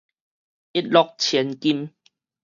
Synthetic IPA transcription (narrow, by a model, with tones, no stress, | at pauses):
i˦t̚lɔ˧k̚t͡ɕʰɛ˨˦nki˦m